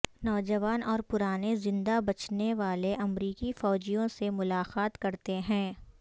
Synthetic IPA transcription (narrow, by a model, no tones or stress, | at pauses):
nɔːd͡ʒɐʋaːnɔːɾpʊɾaːnezɪ̃nd̪abɐt͡ʃneʋaːleʔɐmɾiːkifɔːd͡ʒijõsemʊlaːqaːt̪kɐɾt̪eɦɛ̃ː